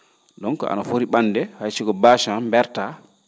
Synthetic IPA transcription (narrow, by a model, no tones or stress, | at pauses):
ɗɔŋkɔ̰ʔa̰nafoɾiɓanːdɛhajsiɡɔbaːʃambɛɾta